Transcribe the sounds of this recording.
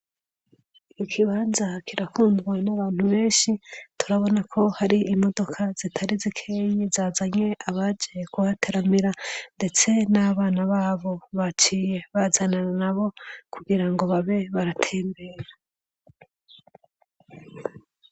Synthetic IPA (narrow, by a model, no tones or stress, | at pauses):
iikʰiβaːnzakʰiɾakuːndɡwanaβaːn̥huβe̞ːnʃitʰuɾaβo̞nakʰo̞haɾiimo̞do̞kʰaz̥itʰaɾizikʰeɲizaːzaɲe̞ʔaβad͡ʒekuhatʰeɾamiɾande̞t͡se̞naβaːnaβaːβo̞βat͡ʃije̞βazananaβo̞kʰuɡiɾaŋɡo̞βaβe̞βaɾatʰe̞ːmbe̞ɾa